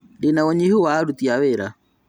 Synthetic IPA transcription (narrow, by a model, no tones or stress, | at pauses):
denaɔɲihuwaɾut̪iaweɾa̰